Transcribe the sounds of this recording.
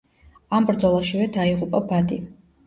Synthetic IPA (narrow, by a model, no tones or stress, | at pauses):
ambɾd̪zɔlˠaʃivɛd̪aiʁupʼabad̪i